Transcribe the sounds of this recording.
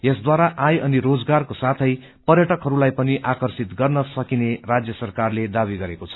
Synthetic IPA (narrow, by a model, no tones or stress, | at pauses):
esd̪waɾaʔajʌniɾod͡zɡarkosat̪ʰʌj | pʌrjʌʈʌkɦʌɾulajpʌniʔakʌrsit̪ɡʌrnʌsʌkinerad͡zjʌsʌrkarled̪abiɡʌɾekot͡sʰʌ̥